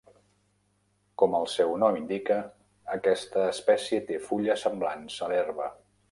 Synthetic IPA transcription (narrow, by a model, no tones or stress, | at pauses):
kɔməlˠsɛwnɔmind̪ikəː | kɛst̪əːspɛsjət̪efuʎəsəmblansəlɛrβə